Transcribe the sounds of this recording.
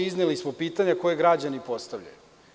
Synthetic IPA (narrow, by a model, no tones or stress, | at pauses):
iznelismopiːt̪aɲako̞jeɡɾad͡ʑanipo̞st̪avʎa̰ju